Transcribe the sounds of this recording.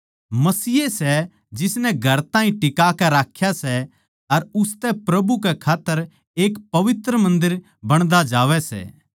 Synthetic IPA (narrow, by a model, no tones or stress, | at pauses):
mɐsiːesɛ | d͡ʒɪsnɛɡʱɐɾt̪ãːĩʈɪkakɛɾaːkʰjasɛ | ɐɾʊst̪ɛpɾɐbukɛkʰaːt̪ːəɾ | eːkpɐʋɪt̪ɾəmɐ̃nd̪ɪɾ | bɐɽ̃d̪ad͡ʒaːʋɛsɛ̰ː